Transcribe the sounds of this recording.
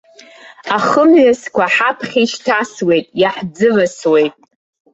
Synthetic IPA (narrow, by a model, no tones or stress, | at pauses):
aχəmʕaskʷaħapʰχʲiʃtʰaswe̞jtʼjaħd͡zɨvaswe̞jtʼ